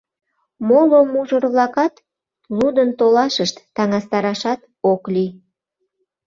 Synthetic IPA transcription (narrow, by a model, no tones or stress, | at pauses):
molomuʒərβlɑkɑt̪ | lud̪ənt̪olɑʃəʃt̪ːɑŋɑst̪ɑɾɑʃɑt̪ | okli